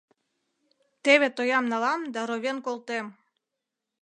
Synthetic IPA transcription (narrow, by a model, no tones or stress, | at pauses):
t̪eβet̪ojɑmnɑlɑmd̪ɑɾoβʲenkolˠt̪em